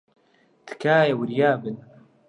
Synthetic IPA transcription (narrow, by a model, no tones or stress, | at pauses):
t̪ɨ̥kaːjewɨɾjaːbɨn